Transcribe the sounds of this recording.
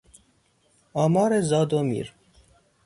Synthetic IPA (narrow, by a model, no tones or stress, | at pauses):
ɒːmɒːɾezɒːd̪omḭːɾ